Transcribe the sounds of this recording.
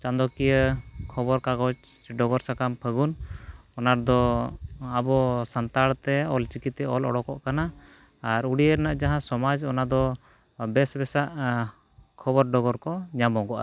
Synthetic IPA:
t͡ʃãnd̪ɔkijəkʰɔbɔɾkaɡɔt͡ʃɖɔɡɔɾsakampʰəɡunɔnaɾd̪ɔ | abɔsant̪aɽt̪ɛɔlt͡ʃikit̪ɛɔlɔɽɔkɔ̰ʔkanaː | ɾuɽijəɾnaʔd͡ʒaɦãsɔmad͡ʒɔnad̪ɔ | bɛsbɛsaʔ | kʰɔbɔɾɖɔɡɔɾkɔɲamɔɡɔʔa̰

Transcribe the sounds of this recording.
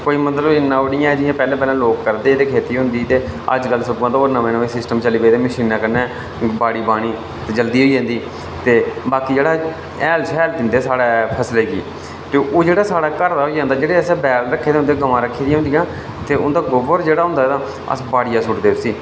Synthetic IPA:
koːiːmət̪ləbɪnːãːʋɽɪjãːɛːd͡ʒɪjãːpɛːlẽːpɛːlãːloːkːəɾd̪eːeːd̪eːkʰeːt̪iːɦʊ̃nd̪iːt̪eːə̰d͡ʒkəlsəkːãːt̪aoːɾnãːmẽːnoːesɪsʈəmt͡ʃəliːpeːd̪eːməʃiːnaːkəɾnɛː | baːɽiːbaːɽ̃iː | t̪eːd͡ʒəld̪iːɦoːiːd͡ʒãːnd̪iː | t̪eːbaːkiːd͡ʒeːɽaː | ɛːlt͡ʃɛːld̪ɪ̃nd̪eːsaːɽaːpʰəslɛːɡḭː | t̪eːʔoːd͡ʒeːɽaːsaːɽaːkəɾd̪aːɦoːid͡ʒãːnd̪aːd͡ʒeːɽeːəsɛːbɛːlɾəkʰːeːd̪eɦnd̪eːɡəʋãːɾəkʰːeːd̪iɦʊ̃nd̪iːãː | t̪eːʊnd̪aːɡoːbəɾd͡ʒeːɽaːɦʊ̃nd̪aːɛt̪ãː | ə̰sbaːɽɪjaːsʊʈd̪eːʊsiː

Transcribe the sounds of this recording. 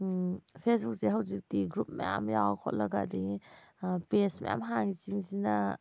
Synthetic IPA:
pʰesbuk̚seɦawzik̚diɡɾup̚ma̰ja̰mjawakʰot̚lɐɡadi | pesma̰ja̰mɦaŋit͡ʃiŋsina

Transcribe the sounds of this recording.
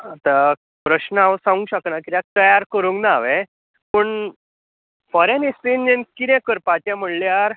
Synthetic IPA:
at̪a | pɾəɕnaʋəsãŋũɕəkɳakit̪jak̚t̪əjaɾkəɾuŋknaʋẽ | pəɳ | fɔɾenist̪inːenkit̪ɛ̃kəɾpat͡ɕam̤əɳljaɾ

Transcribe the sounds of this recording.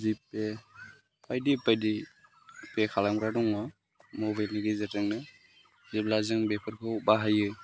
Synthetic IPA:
zipe | pʰajdipajdi | pekʰalamɾadɔŋɔ | mɔbajlniɡizatɯŋnɯ | ziplazɯŋbepʰɯɾkʰɯubaɦajɯ

